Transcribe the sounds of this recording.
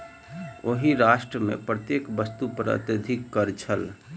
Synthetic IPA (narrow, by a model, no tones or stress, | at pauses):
oɦiɾaʃʈɾəmḛpɾət̪jekbəst̪upəɾə̰t̪jəd̪ʱikːəɾt͡ʃʰəl